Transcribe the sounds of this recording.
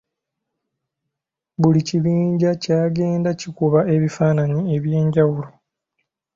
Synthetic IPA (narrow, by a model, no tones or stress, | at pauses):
βuliciβiːɲɟacaːɡe̞ːndacikuβaʔe̞βifaːnaɲie̞βje̞ːɲɟawulo̞